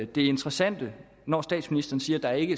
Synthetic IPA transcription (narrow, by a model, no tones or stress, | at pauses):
d̥e̝æe̝nt͡sʁɐsæn̰d̥ə | nɒsd̥ɛ̰ːd̥sminisd̥ɐːn̩siːɐd̥ɑ̈æɐe̝ɡ̥ə